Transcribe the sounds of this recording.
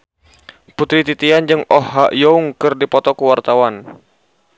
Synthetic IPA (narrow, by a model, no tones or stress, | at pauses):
put̪ɾit̪it̪iand͡ʒɨŋɔhaʔjɔuŋkɨrdipɔt̪ɔkuwart̪awan